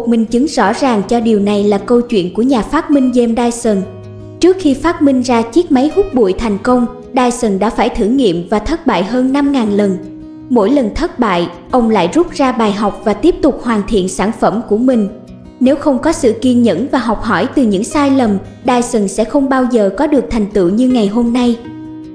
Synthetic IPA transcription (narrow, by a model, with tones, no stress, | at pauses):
k̚mï˨˩ŋ̟t͡ɕɨ˨˦ŋzɔ̰˧˥zaː˨˩ŋt͡ɕɔ˧ɗi˨˩əwna˨˩jlaː˨˩kə˧wt͡ɕwḭ˧˨nku˧˩əɲaː˨˩faː˦˥t̚mï˧ŋ̟ze˧mɗaː˧jsə˨˩n | t͡ɕɨ˦˥ək̚xi˧faː˦˥t̚mï˧ŋ̟zaː˧t͡ɕi˦˥ək̚ma˨˦jhʊ˦˥t̚ɓṵ˧˨jt̪ʰa˨˩jŋ̟kə˧wŋ͡m | ɗaː˧jsə˨˩nɗa̰ː˧˥faː˧˩jt̪ʰɨ˧˩ŋḭ˧˨əmvaː˨˩t̪ʰə˦˥t̚ɓa̰ː˧˨jɦəː˧nːa˧mŋaː˨˩nlə˨˩n | mo̰˧˥jlə˨˩nt̪ʰə˦˥t̚ɓa̰ː˧˨j | ʔə˧wŋ͡mla̰ː˧˨jzʊ˦˥p̚zaː˧ɓaː˨˩jɦa˨˩wk͡p̚vaː˨˩t̪i˦˥əp̚t̪ʊ˨˩k͡p̚hwaː˨˩nt̪ʰḭ˧˨ənsaː˧˩nfə˧˩mku˧˩əmï˨˩ŋ̟ | ne˨˦wxə˧wŋ͡mkɔ˨˦sɨ̰˧˨ki˧nɲə̰˧˥nvaː˨˩ɦɔ˨˩wk͡p̚ɦɔ˧˩jt̪ɨ˨˩ɲɨ̰˧˥ŋsaː˧jlə˨˩m | ɗaː˧˩jsə˨˩nsɛ̰˧˥xə˧wŋ͡mɓaː˧wzəː˨˩kɔ˨˦ɗɨ˨˩ək̚t̪ʰa˨˩jŋ̟t̪ɨ̰˧˨ɲɨ˧ŋa˨˩jɦo˧mna˧j